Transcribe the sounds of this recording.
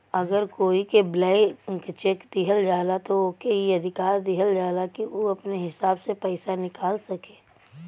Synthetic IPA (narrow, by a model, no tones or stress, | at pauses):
ɐɡəɾkoːikeblɛːkt͡ʃeːkd̪ɪɦəld͡ʒaːlat̪ookeɦiɐd̪ʱɪkaːɾd̪ɪɦəld͡ʒaːlakioɐpneɦɪsaːbsepɛɪsanɪkaːlsɐkeː